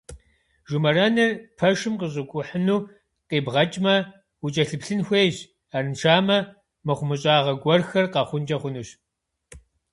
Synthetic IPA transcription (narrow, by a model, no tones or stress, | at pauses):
ʒumɐɾɐnɐrpʰɐʂɨmqəɕ̬ʼɪkʷʼʊħənuː | qeːbʁɐt͡ʃʼmɐ | ut͡ʃʼɐɬɨpɬɨnxʷeːjʑ | aːrɨnʈ͡ʂʰaːmɐ | mɐχʷʊmɨɕʼaːʁɐɡʷɔrxɐrqɑχʷʊnd͡ʒʼɐχʷʊnuːɕ